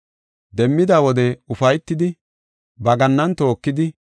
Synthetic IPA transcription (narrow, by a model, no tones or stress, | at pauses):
d̪ɛmːɪd̪awɔd̪ɛʊfɐjt̪ːɪd̪ɪ | bɐɡɐnːɐnt̪o̞ːkːɪd̪ɪ